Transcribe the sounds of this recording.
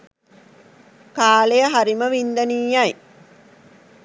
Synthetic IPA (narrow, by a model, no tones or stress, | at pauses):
kaːlejəɦaɾiməʋind̪əniːjaj